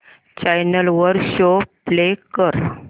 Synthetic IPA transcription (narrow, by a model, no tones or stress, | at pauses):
t͡ɕajnəlʋəɾɕoplekəɾ